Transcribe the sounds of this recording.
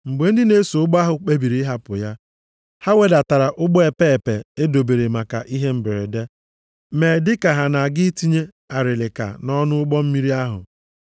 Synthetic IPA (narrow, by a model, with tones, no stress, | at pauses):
ŋ͡m̩˨ɡ͡be˨˦n̩˦dɪ˦ne˦so˨ʊ˦ɡ͡ba˦ɦʊ˨k͡pe˦bi˨ɾi˦ɦa˦pʊ˨ja˦ | ha˦we˨da˨ta˨ɾa˨ʔʊ˦ɡ͡bɔ˦e˨pe˦e˨pe˨e˦do˨be˨ɾe˨ma˨ka̰˨ʔi˦ɦe˦m̩˦bɪ˨ɾɪ˨de˦ | me˨dɪ˦ka˨ɦa˨na˨ɡɪ˦ti˦ɲe˦ | a˨ɾɪ˨lɪ˨ka̰˨nɔ˦nʊ˦ʊ˦ɡ͡bɔ˦m̩˦mi˦ɾi˦a˦ɦʊ̰˨